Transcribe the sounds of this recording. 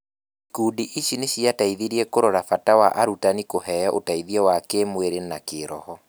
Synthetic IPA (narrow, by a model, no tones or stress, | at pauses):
kuːdiʔiɕineɕiataiðiɾiɛkoɾoɾafatawaʔaɾutanikoɦɛjɔʔotaiðiɛwakemweɾenakeɾɔhɔ